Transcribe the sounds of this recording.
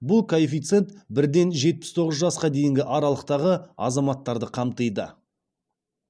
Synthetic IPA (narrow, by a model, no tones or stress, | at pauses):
bʊlˠkʰoefijt̪se̞nt̪bɪɾd̪e̞nʒe̞t̪̚pɪ̥st̪ʰo̞ʁəzʒɑsqɑd̪e̞jɪŋɡʲɪʔɑɾɑlˠəq̚t̪ɑʁəɑ̰zɑmɑt̪ːɑɾd̪əqʰɑmt̪əjd̪ə̰